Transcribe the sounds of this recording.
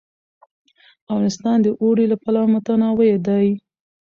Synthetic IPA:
awɑnɪst̪ɑnd̪əʔoɽilapalɑmat̪anawəjed̪ɑj

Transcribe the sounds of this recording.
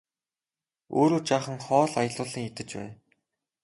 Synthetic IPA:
oːɾoːt͡ɕaːχə̆ŋχɔːɮajə̆ɮʊːɮĭŋet̪ɘ̆t͡ɕpæ̰ːn

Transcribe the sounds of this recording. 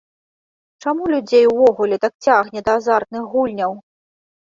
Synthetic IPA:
t͡ʂamulʲud͡zʲejwvɔɣulʲɛt̪ak̚t͡sʲaɣnʲɛd̪ɐːzart̪̚nɨxːulʲnʲɐw

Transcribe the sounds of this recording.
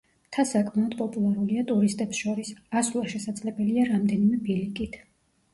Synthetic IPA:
t̪ʰasakʼʰmaɔd̪pʼɔpʼulˠaɾuliat̪ʼuɾist̪ʼɛpsʃɔɾisasulˠaʃɛsad̪zlɛbɛliaɾamd̪ɛnimɛbilikʼit̪ʰ

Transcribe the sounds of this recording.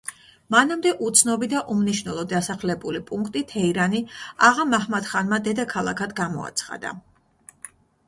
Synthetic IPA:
manamd̪ɛʔut̪sʰnɔbid̪aʔumniʃvnɛlˠɔd̪asaχlɛbulipʼuŋkʰt̪ʼit̪ʰɛiɾaniaʁamahmat̪χanmad̪ɛd̪akʰalˠa̰kʰad̪ɡamɔ̰a̰t̪sʰχa̰d̪a̰

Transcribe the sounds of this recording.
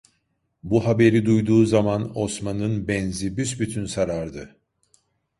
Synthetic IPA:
buɦabe̞ɾid̪ujd̪uːzamano̞smanɯnbɛnzibysbyt̪ʰynsaɾaɾd̪ɯ

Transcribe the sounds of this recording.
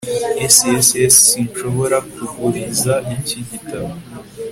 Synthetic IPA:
esiesessinʃo̞βo̞ɾakuɡuɾizaiciɟitaβo

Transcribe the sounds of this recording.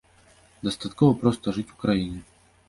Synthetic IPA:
d̪ɐst̪at̪kɔvɐpɾɔst̪ɐʐɨt͡sʲukɾajinʲɛ

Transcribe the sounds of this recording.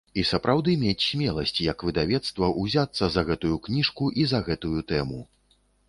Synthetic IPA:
isɐpɾawd̪ɨmʲet͡sʲsʲmʲɛlˠɐsʲt͡sʲjɐkvɨd̪avʲɛt̪st̪vɐʔuzʲat̪sːɐzɐɣɛt̪ujuknʲiʂkuʔizɐɣɛt̪ujut̪ɛmu

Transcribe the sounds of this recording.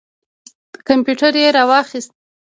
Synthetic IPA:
kampjuʈaɾjeɾɑwɑxist̪̚

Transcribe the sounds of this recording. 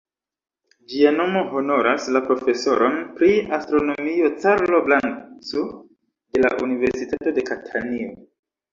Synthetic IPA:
d͡ʒiano̞mo̞ɦo̞no̞ɾaslapɾo̞fe̞so̞ɾo̞npɾiastɾo̞no̞mio̞t͡saɾllo̞blaŋt͡so | de̞la̰ʔunive̞ɾsitato̞de̞katʰanio

